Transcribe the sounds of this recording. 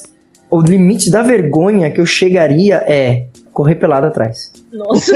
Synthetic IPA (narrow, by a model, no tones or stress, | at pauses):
ʊlimit͡ʃɪd̪ɐveɾɡõɲɐkɪewʃeɡaɾiɐʔɛ | koɦepelad̪ʊat̪ɾa̰js | nɔs